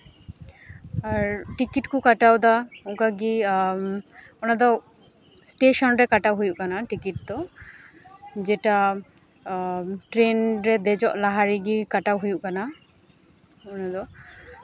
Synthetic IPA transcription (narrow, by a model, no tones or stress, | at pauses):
aɾʈikiʈkukaʈawd̪auŋkaɡi | ɔnad̪ɔ | sʈeʃɔnɾɛkaʈawɦujuʔkanaʈikiʈ̚d̪ɔ | d͡ʒɛʈa | ʈɾenɾɛd̪ɛd͡ʒɔʔlaɦaɾiɡikaʈawɦujuʔkana | ɔnad̪ɔ